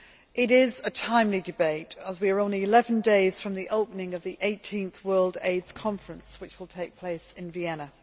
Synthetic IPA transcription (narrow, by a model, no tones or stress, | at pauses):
ʔɪɾɪzətʰãɪ̃mlidɪbeɪtəzwiəɹõʊ̃nliɪlɛvə̃ndeɪz̥fɹə̃mðiʔoʊpənɪ̃ŋəvðiʔeɪtʰĩnθwɜːlˠdḛɪdz̥kʰɒ̃ɱfɹə̃nswɪt͡ʃwɪlˠtʰeɪk̚pʰl̥eɪsɪ̃nviɛnə